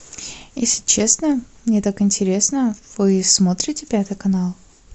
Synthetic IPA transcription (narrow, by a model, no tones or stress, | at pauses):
jesʲlʲɪt͡ɕesnəmnʲet̪akɪnʲtʲɪɾʲe̞snəv̥ɨsmo̞t̪ɾʲɪtʲɪpʲat̪ɨjkɐnalˠ